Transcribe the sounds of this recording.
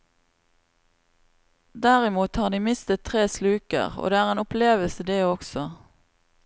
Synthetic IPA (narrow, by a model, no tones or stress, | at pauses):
d̪æʁɪmuːt̪hɑːʁd̪iːmɪst̪ət̪ʰʁeːslʉːkə̰ʁo̰ːd̪eːæːʁeːnʊpleːʋəlsəd̪eːɔksɔ